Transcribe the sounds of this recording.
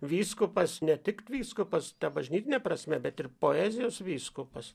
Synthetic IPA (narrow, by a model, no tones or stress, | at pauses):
ʋʲiːskʊpɐsnʲɛt̪ʲɪkt̪ʋʲiːskʊpɐst̪ɐbɐʒʲnʲiːt̪ʲɪnʲɛpɾɐsʲmʲɛbʲɛt̪ɪrpoːæːzʲɪjoːsʋʲiːskʊpɐs